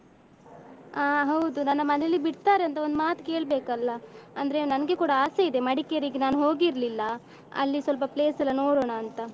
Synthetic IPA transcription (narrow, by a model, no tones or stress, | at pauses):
aːɦɐwd̪unɐnːɐmɐnelːibiɽt̪aːɾeɐnt̪ɐond̪maːt̪ke̞ːɭbeːkɐlːɐɐnd̪ɾe̞nɐnɡekuːɽɐaːseid̪e̞mɐɽikeɐɾiɡenaːnuɦo̞ːɡiɾlilːɐ | ɐ̰lːisʋɐlp̬ɐple̞ːsɐlːɐno̞ːɽoːɳɐːnt̪ɐ